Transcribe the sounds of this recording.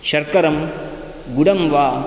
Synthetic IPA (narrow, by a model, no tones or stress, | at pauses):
ʃɐɾkɐɾɐm | ɡuɽɐmʋaː